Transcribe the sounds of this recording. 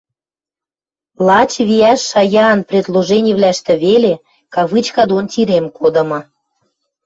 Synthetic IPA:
lɑt͡ɕβiæʃːɑjɑːnprʲed̪lˠoʒenʲiβlæʃt̪ĕβele | kɑβɨt͡ɕkɑd̪ont̪ʲiɾemkod̪ɤ̆mɤ̆

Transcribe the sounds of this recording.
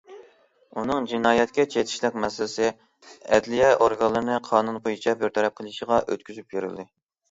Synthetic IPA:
unɨŋd͡ʒinɑːjɛt̪kʲɛt͡ʃʰet̪ʰɪ̥ʃlɪk̚ʲmɛsɪlɪsɪ | ɛ̰d̪lijɛʔoɾɡɑlːˠɨɾɨnɨqʰɑːnunbojit͡ʃʰɑbɪɾt̪ʰɛɾɛp̚qʰəlˠɨʃəʁɑʔø̰t̪kʲyzypjyɾɨ̰lˠd̪ɨ

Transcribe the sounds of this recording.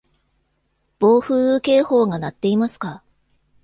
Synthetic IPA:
b̥o̞ːɸɯ̟ːke̞ːho̞ːɡanat̪ːe̞imasɨ̥ka

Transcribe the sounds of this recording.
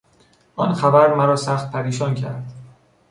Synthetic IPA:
ʔɒːnxæbæɾmæɾɒːsæxt̪̚pʰæɾiːʃɒːncʰæ̰ɾd̪̥

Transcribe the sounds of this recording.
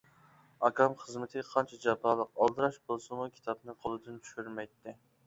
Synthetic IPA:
ɑkɑmχəzmɪt̪ʰɨqʰɑnt͡ʃʰɛd͡ʒɑpɑːlˠəqɑlˠd̪ɨɾɑʃbolˠsɨmukʲʰi̥t̪ʰɑbnɨqʰolˠɨd̪ɨnt͡ʃʰy̥ʃyɾmɛjt̪ːɪ

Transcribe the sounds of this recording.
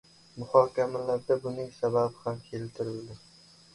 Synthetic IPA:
mʊhɒːkʲamalaɾd̪abʊnɪŋsababɪhamkʲʰe̞lt̪ʰɪɾɪld̪ɪ

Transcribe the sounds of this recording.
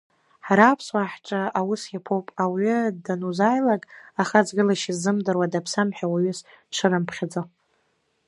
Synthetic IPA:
ħaɾapʰswaħʈ͡ʂʼaawʊsjapʰowpʼawʏdanuzajlakʼaχad͡zɡɨlaʃizːɨmdarwadapʰsamħᶣawaɥʏs | ʈ͡ʂʰɨɾɨmpʰχʲad͡zo

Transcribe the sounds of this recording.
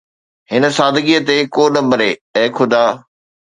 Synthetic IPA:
hɪnə̆saːd̪ʱɡiət̪ekoːɗɐbəɾeɛ̃ːkʰʊd̪ʱaː

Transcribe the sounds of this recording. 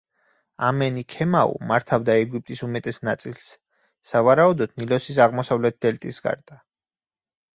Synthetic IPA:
amɛnikʰɛmaṵmaɾt̪ʰavd̪aɛɡip̚ʼt̪ʼisumɛt̪ʼɛsnat̪sʼilˠs | savaɾaud̪ɔd̪̥nilɔsisaʁmɔsavlɛt̪̚d̪ɛlt̪ʼisɡa̰ɾd̪̥a

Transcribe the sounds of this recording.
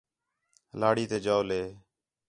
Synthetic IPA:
laːɽiːt̪eːd͡ʒaːoleː

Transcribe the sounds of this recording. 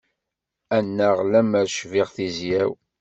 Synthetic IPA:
ænːæʁlæməɾʃvɪʁθizjæw

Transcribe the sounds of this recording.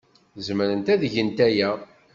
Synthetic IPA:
zməɾənt̪æðəʝənt̪æjæ

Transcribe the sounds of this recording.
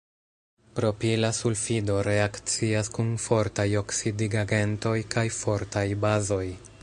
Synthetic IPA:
pɾo̞pilasulfido̞ɾe̞akt͡siaskunfo̞ɾtajo̞ksidiɡaɡe̞nto̞jkʰajfo̞ɾtajbazo̞j

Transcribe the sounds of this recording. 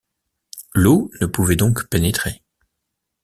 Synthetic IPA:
lonəpuvɛd̪ɔ̃kpenet̪χe

